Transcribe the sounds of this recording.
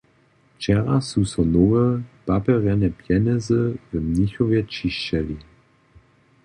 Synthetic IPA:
t͡ʃɛʁasusɔnoʁəpapɛʁɛnɛpjɛnɛzəvəmniçɔvjɛt͡ʃiʃɛli

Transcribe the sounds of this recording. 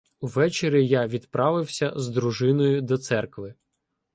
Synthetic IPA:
uʋɛt͡ʃeɾʲijaʋʲid̪pɾʔɑʋɪwsʲɐzd̪ɾuʒɪnɔjʊd̪ɔt̪sɛrkʋɪ

